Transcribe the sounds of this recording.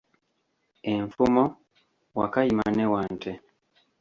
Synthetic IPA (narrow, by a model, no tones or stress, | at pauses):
ɛɱfumɔ | wa̰kaima̰nɛwantʰɛ